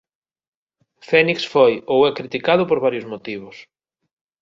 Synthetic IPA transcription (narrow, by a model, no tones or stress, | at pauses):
fɛniksfojowɛkɾit̪ikað̞ʊpoɾβaɾjʊzmot̪iβ̞ʊs